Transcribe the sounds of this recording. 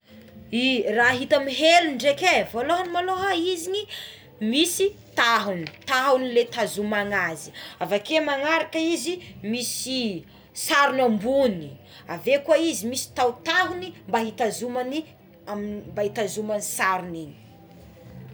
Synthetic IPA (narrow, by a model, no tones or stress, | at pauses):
iraɦit̪amiɦeluɳɖ͡ʐekevoloɦanimaloɦaizini | misit̪aɦuni̥t̪aɦunilet̪azumaŋazi̥avakemaŋaɾakəizimisi | saɾunambuni | a̰vekwaizimisi̥t̪awt̪aɦunimbaɦit̪azumani | ammbait̪azumanisaɾunini̥